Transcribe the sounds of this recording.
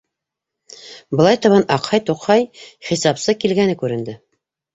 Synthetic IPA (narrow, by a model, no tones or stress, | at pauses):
bɤ̆lˠɑjt̪ɑ̆βɑnʔɑqhɑjt̪uqhɑjχisɑpsɤkilɡænɘkʉɾɘ̆nd̪ɘ